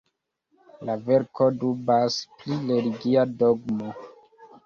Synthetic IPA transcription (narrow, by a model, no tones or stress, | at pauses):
laveɾkʰodubasplileliɡiadoɡmo